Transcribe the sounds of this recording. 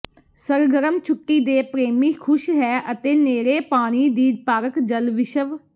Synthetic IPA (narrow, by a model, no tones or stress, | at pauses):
səɾɡəɾəmt͡ʃʰʊʈːiːd̪eːpɾeːmiːkʰʊʃɦɛːʔət̪eːneːɾeːpaːɽ̃iːd̪iːd̪paːɾəkd͡ʒəlʋɪʃəʋ